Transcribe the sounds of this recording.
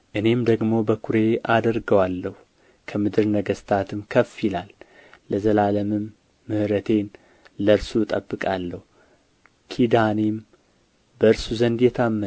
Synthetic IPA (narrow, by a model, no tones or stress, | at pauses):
ʔɨne̞md̪əɡmo̞bəkʰuɾe̞ad̪əɾɡəwalːəh | kʰəmɨd̪ɨɾnəɡəst̪ʰat̪ʰɨmkʰəfjilalːəzəlaləmɨmː | ɨhɾət̪ʰe̞n | ləɾsut̪ʼəbːɨkʼalːəhu | kʰid̪anem | bəɨɾsuzənd̪jɛt̪ʰamːə